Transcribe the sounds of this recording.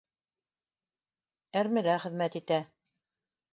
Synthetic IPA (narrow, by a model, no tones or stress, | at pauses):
æɾmɘ̆ɾæχɘ̆ðmæt̪it̪æ